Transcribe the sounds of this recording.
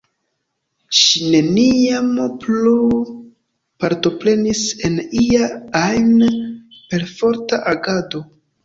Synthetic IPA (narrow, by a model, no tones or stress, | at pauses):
ʃine̞niamplu | paɾto̞pɾe̞nise̞niaajn | pe̞ɾfo̞ɾtaʔaɡado̞